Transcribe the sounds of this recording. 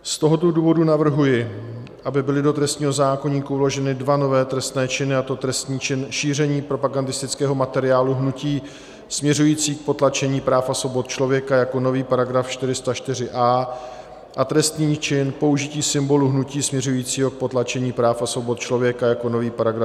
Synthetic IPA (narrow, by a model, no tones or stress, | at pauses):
st̪o̞ɦot̪oduːvo̞dunavr̩ɦujɪ | ʔabɪbɪlɪdo̞t̪ɾɛst̪ɲiːɦo̞zaːko̞ɲiːkuvlo̞ʒɛnɪdvano̞vɛːt̪ɾɛst̪nɛːt͡ʃɪnɪat̪o̞t̪ɾɛst̪ɲiːt͡ʃɪnʃiːr̝ɛɲiːpɾo̞paɡandɪst̪ɪt͡skɛːɦo̞mat̪ɛɾɪaːluɦnuciː | smɲɛrujiːt͡siːk̚po̞t̪lat͡ʃɛɲiːpɾaːfasvo̞bot̪̚t͡ʃlo̞vjɛkajakono̞viːpaɾaɡɾafʃt̪ɪɾɪst̪aʃt̪ɪrɪʔaː | ʔat̪ɾɛst̪ɲiːt͡ʃɪnpo̞uʒɪciːsɪmbo̞luɦnuciːsmɲɛrujiːt͡siːɦo̞k̚pot̪lat͡ʃɛɲiːpɾaːfasvo̞bot̪̚t͡ʃlo̞vjɛkajako̞no̞viːpaɾaɡɾaf